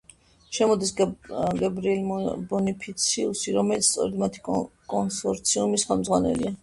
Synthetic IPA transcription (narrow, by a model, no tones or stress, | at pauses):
ʃɛmɔd̪isɡɛbɾilbɔnipʰit̪sʰiusiɾɔmɛlit̪st̪ʼɔ̰ɾɛd̪mat̪ʰi̥kʼkʼɔnsɔɾt̪sʰiumisχɛlˠmd̪zʁwanɛ̰lḭa